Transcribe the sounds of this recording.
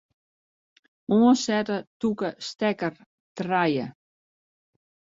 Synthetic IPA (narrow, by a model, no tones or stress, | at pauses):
uəsɛtətukəstɛkər | trajə